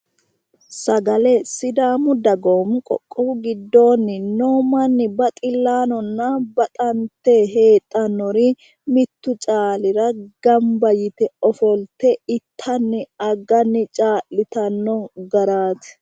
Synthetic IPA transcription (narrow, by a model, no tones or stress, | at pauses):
sɐɡɐlɛsɪd̪aːmʊd̪ɐɡoːmʊkʼɔ̰kʼːɔɡɪd̪ːo̞ːnːɪnoːmɐnːɪbɐt̪ʼɪlːaːnɔnːɐbɐt̪ʼɐnt̪ːeɦe̞ːt̪ʼːɐnːɔɾɪ | mɪt̪ːʊt͡ʃʼaːlɪɾɐɡ̥ɐmbɐjɪt̪ɛɔfɔlt̪ɛɪt̪ʰːɐnːɪɐɡɐnːɪt͡ʃʼaːlːɪt̪ɐnːɔɡɐɾaːt̪ɪ̥